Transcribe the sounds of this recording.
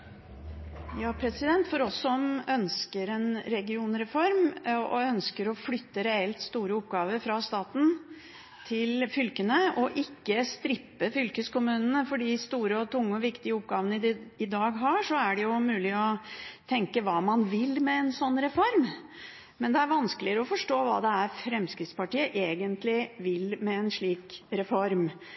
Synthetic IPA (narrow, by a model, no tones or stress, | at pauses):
jɑːpʰɾɛsɪd̪ɛnt̪fɔɾɔsːɔmœnskəɾɛnɾɛɡɪuːnɾɛfɔɾmɔ̰œnskəɾɔflʏt̪ːəɾɛɛlt̪st̪uːɾəʊpɡɑːʋəɾfɾɑst̪ɑːt̪n̩ | t̪ʰɪlfʏlkənəɔʔɪkːəst̪ɾɪpːəfʏlkəskʊmʉːnənəfɔɖiːst̪uːɾəɔt̪ʰʊŋːəɔʋɪkt̪ɪəʊp̚ɡɑːʋənəɪd̪ɑːɡɦɑʂɔæɖɛjʊmʉːlɪɔt̪ʰɛŋkəʋɑːmɑnʋɪlmɛɛnsɔnːɾɛfɔɾm | mɛnd̪ɛæɾʋɑnskəlɪəɾɔfɔʂʈoːʋɑ̰ːd̪ɛæɾfɾɛmskɾɪt̪spɑʈiːəʔeːɡənt̪lɪʋɪlmɛɛnʂɭiːkɾɛfɔɾm